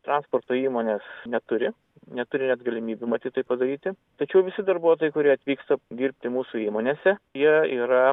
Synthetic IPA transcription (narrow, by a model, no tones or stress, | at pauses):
t̪ɾɑnsport̪oːiːmoːnʲeːsnʲɛt̪ʊɾʲɪ | nʲɛt̪ʊɾʲɪnʲɛt̪ɡɐlʲɪmʲiːbʲumɐt̪ʲiːt̪ɐɪpɐd̪ɐɾʲiːt̪ʲɪ | t̪ɐt͡ʃʲɛʊʋʲɪsʲɪd̪ɐrbuɔt̪oːjɛɪkʊɾʲiɛɐt̪ʲʋʲiːkst̪ɐd̪ʲiːɾʲpʲt̪ʲɪmuːsuiːmoːnʲeːsʲɛjiɛiːɾɐ